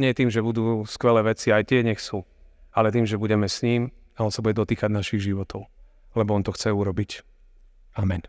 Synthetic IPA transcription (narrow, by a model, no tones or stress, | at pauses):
ɲɪɛjɛt̪iːmʒɛbud̪uːskʋɛlɛːʋɛt͡siajt̪ɪɛɲɛxsualɛt̪iːmʒɛbuɟɛmɛsɲiːm | aɔnsabuɟɛd̪ɔt̪iːkaɟnaʃiɣʒiʋɔt̪ɔʊ | lɛbɔɔnt̪ɔxt͡sɛuɾɔbic | amɛn